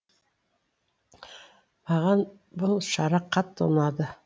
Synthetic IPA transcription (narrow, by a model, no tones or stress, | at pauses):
ɑʁɑn | bʊlˠʃɑɾɑqʰːɑt̪ːo̰nɑd̪ɤ